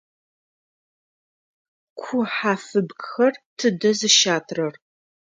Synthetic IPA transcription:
kʷʰʊħaːfɨbɡxɐrtʰɨdɐzɨʃaːtʰrɐr

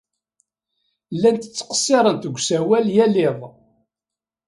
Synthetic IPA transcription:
lːænt̪ə̥t͡sːqə̥sːɪɾˤənt̪əɡʷːsæwæljælɪðˤ

